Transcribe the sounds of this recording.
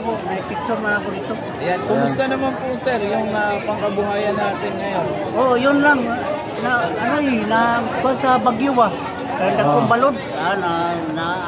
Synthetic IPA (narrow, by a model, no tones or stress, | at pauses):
koʔnaipɪt̪sonakʊnit̪o | jakʊmʊst̪anamanpʊsɛɾjʊŋapaŋkabuɦajanːat̪ɪnŋajon | ojʊnlaŋːa | naainakwasabaɡjʊwa | kajondakobalʊd̪̚ | ana | na